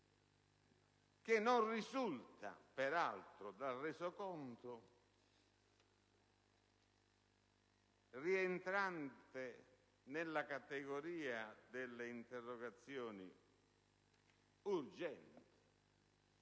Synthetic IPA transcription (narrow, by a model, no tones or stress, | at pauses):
k̟ɪnːonrizult̪a̰pɛɾalt̪ɾʊd̪arɛsokɔnt̪ʊ | rient̪ɾant̪ɪ | nɪlːakat̪ɛɡoɾiːad̪ɪlːeint̪ɛrːɔɡat̪sːjɔːnḭ | urd͡ʒɛntt̪ɪ̥